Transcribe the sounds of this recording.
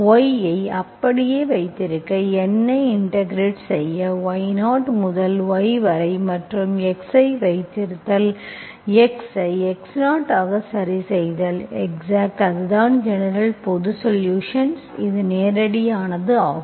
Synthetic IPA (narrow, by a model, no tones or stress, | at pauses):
ɔjɐɪɐpːɐɽɪjeːʋɐɪt̪ːɪɾɯkːɐɛnːɐɪɪɳʈɐɡɾeːʈsɛjːɐʋɐjnaːʈmʊðɐlʋɔɪʋɐɾɐɪmɐʈrɯmɛksɐɪʋɐɪt̪ːɪɾɯt̪ːɐl | ɛksɐɪɛksnaːʈːaːɣɐsɐɾisɛjðɐlɛksaːk̚ʈɐðɯðaːnd͡ʒɛnɐɾɐlpɔðɯsɔljuːʂɐnsɪðɯneːɾɐɽɪjaːnɐðɯaːɣ